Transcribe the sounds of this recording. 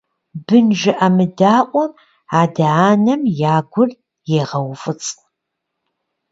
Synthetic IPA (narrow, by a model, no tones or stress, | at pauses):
bɨnʒɪʔɐmɨdaːʔʷʼɔ | aːdɐaːnɐmjaːɡʷʊr | jeʁɐwfɨt͡sʼ